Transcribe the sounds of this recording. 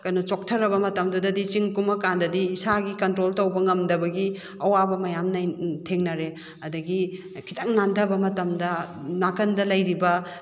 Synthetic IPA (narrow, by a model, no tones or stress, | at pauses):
kɐnɐt͡ʃok̚tʰɐɾɐbɐmɐtɐmdudɐdit͡ʃiŋkumɐkandɐdiːsaɡikɐntɾoltɐwbɐŋɐmdɐbɐɡi | ɐwabɐmɐjamnajtʰeŋnɐɾe | ɐdɐɡi | kʰitaŋnandɐbɐmɐtɐmdɐnakɐndɐlɐjɾibɐ